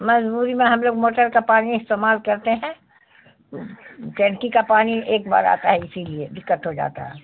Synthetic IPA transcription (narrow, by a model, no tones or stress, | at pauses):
mɐd͡ʒbuːɾimẽɦɐmloːɡmoːʈəɾkapaːniɪst̪eːmaːlkɐɾt̪eɦɛ̃ | ot͡ʃɛ̃ɳkikapaːnieːkba̰ːɾa̰ːt̪aɦɛɪsilied̪ɪkːət̪ɦod͡ʒa̰ːt̪a̰ɦɛː